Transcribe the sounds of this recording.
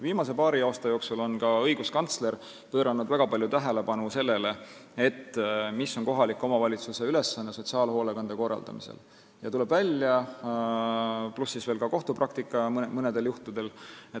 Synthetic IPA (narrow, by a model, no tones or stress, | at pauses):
viːmɑs̬e̞pɑːɾiɑːst̪ɑjo̞ːksulo̞nkɑɤ̞jɡuskɑnt̪sle̞ɾ | pøːɾɑnud̪væɡ̥ɑpɑljut̪æɦele̞pɑnuse̞lːe̞le̞et̪ːmisːo̞nko̞ɦɑlikːˑo̞mɑvɑlʲit̪suse̞yle̞sːɑnːeso̞t̪siɑːlho̞ːlekɑnd̪̥eko̞rːɑ̰ld̪̥ɑ̰mḭsḛl | jɑt̪ule̞b̥vælʲːjɑ | plusːisveːlkɑko̞ht̪uprɑk̚t̪ikːˑɑmɤne̞d̪̥e̞ljuht̪ud̪̥e̞le